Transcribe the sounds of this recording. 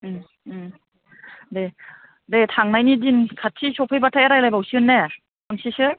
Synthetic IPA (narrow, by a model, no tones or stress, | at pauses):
de | detʰaŋnajnidinkʰatʰːisɔpʰajbatʰajeɾajlajbawsiɯnːe | ɯŋsisɯ